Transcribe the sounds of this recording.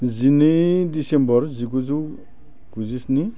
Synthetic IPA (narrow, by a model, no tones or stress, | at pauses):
zinedisembɔrziɡuzu | ɡ̥uzisni